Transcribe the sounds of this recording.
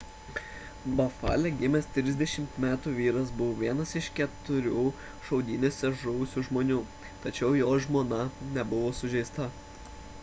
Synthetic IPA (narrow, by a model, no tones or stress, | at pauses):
bɐfɑ̰ːlʲɛɡʲɪmʲɛst̪ʲɾʲɪzd̪ʲɛʃʲɪmt̪mʲæːt̪uːʋʲiːɾɐsbʊʋoːʋʲiɛnɐsɪʃkʲɛt̪ʊɾʲuː | ʃɒʊd̪ʲiːnʲoːsʲɛʒʊʋʊsʲuʒmoːnʲuː | t̪ɐt͡ʃʲɛʊjoːʒmoːnɐnʲɛbʊʋoːsʊʒʲɛɪst̪ɐ